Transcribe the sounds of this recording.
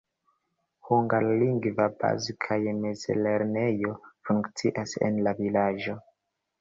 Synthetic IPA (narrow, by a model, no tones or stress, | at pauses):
huŋɡalliŋɡvaba̰zikʰajemezle̞ɾnejo̞fuŋkt͡siʔasḛnlavilad͡ʒo̞